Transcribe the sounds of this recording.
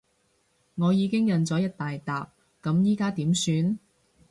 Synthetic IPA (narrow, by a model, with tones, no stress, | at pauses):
ŋɔː˨˧jiː˨˧kɪ˥ŋjɐ˨nt͡sɔː˨˥jɐ˥t̚t̪aː˨jt̪aː˨p̚ | kɐ˨˥mjiː˥kaː˥t̪iː˨˥msyː˨˧n